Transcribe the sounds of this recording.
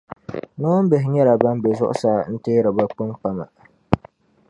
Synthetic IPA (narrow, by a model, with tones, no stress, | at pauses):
nɔ˦m˦be˨ɦɪ˨ɲɛ˦la˨ba˦m˦bɛ˨zʊ˦ʔʊ̰˦saː˦˨n̩˦teː˦ɾɨ˨ba˦k͡pu˦ŋk͡pa˨ma̰˨